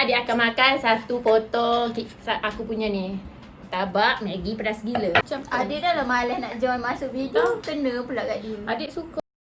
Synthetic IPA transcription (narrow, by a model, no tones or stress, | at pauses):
adeʔakamakansat̪upot̪ɔkisaakupuɲani | t̪abaʔmaɡipəɾasɡilət͡ʃamadɪʔdalamalɛhnaʔd͡ʒɔnmasuʔbidikənəpulaʔkaʔdiadɪʔsuka